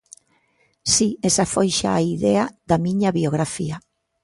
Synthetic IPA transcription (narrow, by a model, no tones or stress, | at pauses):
siesafojʃa̰ːiðɛaðɐmiɲaβioɣɾafia